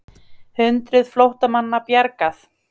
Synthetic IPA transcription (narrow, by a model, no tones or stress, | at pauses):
hʏnt̪ɾʏðflowht̪amanːapjaɾkaθ